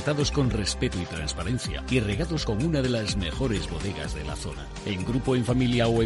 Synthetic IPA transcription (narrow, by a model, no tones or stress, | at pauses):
t̪aðo̞sko̞nre̞spe̞t̪oit̪ɾanspaɾe̞nθja̰ire̞ɣ̞aðo̞sko̞munaðe̞lazme̞xo̞ɾe̞zβo̞ðe̞ɣa̰zðe̞̰la̰θo̞̰na̰ | e̞ŋɡɾupoeɱfamiljaoe